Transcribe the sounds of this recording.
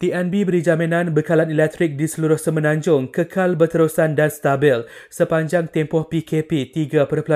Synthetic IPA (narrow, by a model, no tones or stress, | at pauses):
t̪iʔɛnbibəɾid͡ʒamĩnãnbəkalanilɛk̚t̪ɾɪk̚disəluɾʊhsəmənãɲd͡ʒʊŋkəkʰalbərt̪əɾusandanst̪abɪl | səpaɲd͡ʒaŋt̪empɔhpikʰepit̪iɡapərpəla